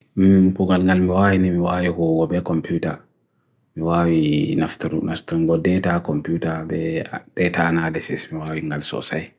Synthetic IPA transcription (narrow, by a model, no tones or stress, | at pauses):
mpuɡalŋɡalmiwawinimiwawihɔɡɔbɛkɔmputa | miwawinaftuɾunaftɾuɡɔdɛtakɔmputabɛaɗɛtanadɛsismiwawiŋɡalsɔ̰saj